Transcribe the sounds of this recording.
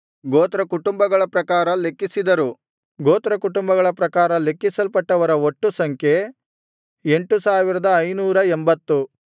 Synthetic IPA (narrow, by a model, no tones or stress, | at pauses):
ɡoːt̪ɾɐkuʈumbɐɡɐɭɐpɾɐkaːɾɐle̞kːisid̪ɐɾu | ɡoːt̪ɾɐkuʈumbɐɡɐɭɐpɾɐkaːɾɐle̞kːisɐlpɐʈːɐʋɐɾɐoʈːusɐŋkʰje̞ | e̞ɳʈusaːʋiɾɐd̪ɐːjnuːɾɐembɐt̪ːu